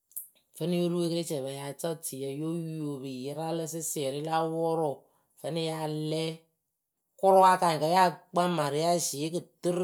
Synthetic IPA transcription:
fɛ˦nɪ˦jo˦ɾu˦we˦kɨ˦ɾi˦t͡ʃɛ˨ba˨ja˨t͡ʃa˦ti˨jɛ˨jo˦o˨bi˨jɪ˦ɾa˦lɨ˦sɪ˦sɪ˦ɛ˨ɾɪ˦la˦wɔ˦ɾɔ˨ | fɛ˨˦nɪ˦ja˦lɛ˦ | kʊ˦ɾʊ˦wa˦ka˨ŋ˨ka˨˦ja˦k͡pa˦ma˨ɾɪ˨ja˦ʃɪ˨˦kɨ˨tɨ˦ɾ

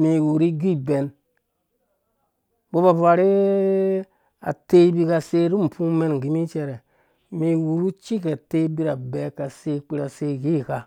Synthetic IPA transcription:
mi˨wu˨ɾi˦ɡi˦be˨n | bo˦ba˨ba˨ɾi˦ | a̰˨te˦bi˦ka˨se˦ɾu˦m̩˨pu˦me˦n˨ɡi˦mi˦t͡ʃe˧ɾe˨ | mi˨wu˨ɾu˦t͡ʃi˦ka˨te˦bi˦ɾa˨be˨˦ka˨se˦k͡pi˦ɾa˨se˦˨ɡi˦˨ka˨

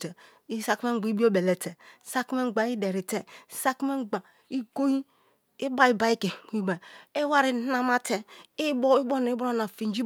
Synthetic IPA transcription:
te˨ | i˦sa˦kme˦ŋ̩˦ɡ͡bi˦bi˦o˦be˨le˨te˨˦sa˦kme˦ŋ͡mɡ͡ba˨˦i˦de˨ɾi˨te˨˦sa˦ki˦me˦ŋ͡mɡ͡ba˨ | i˦ɡo˦ji˦ | i˦ba˦i˦ba˨˦i˦ke˨ɡi˦ba˨i˦wa˦ɾi˨˦na˦ma˦te˨i˦i˦bo˦n˨i˦bɾo˦na˨fi˨n˦d͡ʒi˦

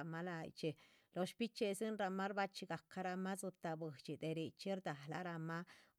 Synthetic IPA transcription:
ma˦la˧jt͡ʃe˨ | lo˧ʃpi˦t͡ʃe˧si˦nɾa˧ma˦ɾba˦t͡ʃi˧ɡa˨ka˧ɾa˧ma˦zu˧t̪a˨bɨ˨t͡ʃi˨d̪e˨ɾi˨t͡ʃi˦ɾd̪a˨la̰˧ɾa˧ma˦

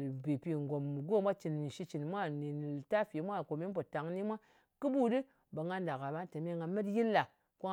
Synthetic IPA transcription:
bi˨pi˧ŋɡo˨m˨ɡo˦˨˦mʷa˦t͡ʃi˨n˨ʃi˧t͡ʃi˨nmʷa˦ni˨ta˦fi˨˦mʷa˦˨ko˨mi˦np̬o˨ta˨ŋni˦mʷa˦ | kɨ˦bu˦dɨ˦ | ba˨ŋɡa˧nda˨ka˨ba˦te˨me˦˨ŋɡa˧me˦tji˦lːa˨ | ko˦

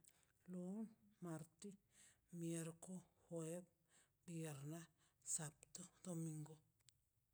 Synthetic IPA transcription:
lu˦nmaɾt̪i˦ | mjeɾko˦hwe˦p̚ | bie˨ɾna˦ | sa˨pt̪u˦d̪omiŋɡo˨

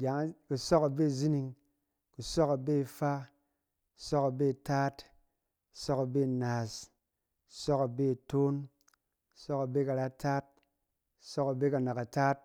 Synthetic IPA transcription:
ɡʲa˨˦ŋ˦ku˨sɔ˦ka˨be˦˨zi˦ni˧ŋ | ku˨sɔ˦ka˨be˦˧˨fa˦ | ksɔ˦ka˨be˦˨ta˦t | ku̥˨sɔ˦ka˨be˦˨na˨s | ksɔ˦ka˨be˦˨to˦n | ku̥˨sɔ˦ka˨be˦ka˨ɾa˦ta˦t̚ | sɔ˦ka˨be˦ka˨na˨ka˨taː˦t̚

